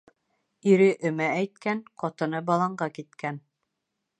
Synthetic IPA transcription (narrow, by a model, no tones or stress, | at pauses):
iɾɘʔɵ̆mææjt̪̚kænqɒt̪ɤ̆nɤbɑlˠɑɴɢɑkit̪kʰæn